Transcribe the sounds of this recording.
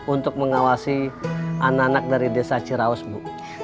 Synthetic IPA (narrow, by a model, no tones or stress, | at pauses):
unt̪ʊk̚məŋawasiananak̚daɾidesat͡ʃiɾaɔsbu